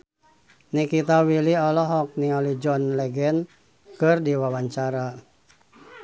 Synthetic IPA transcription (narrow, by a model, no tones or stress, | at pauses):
nikit̪awiliɔlɔɦɔk̚niɔlid͡ʒɔnlɛɡɛn | kɨrdiwawaɲt͡ʃaɾa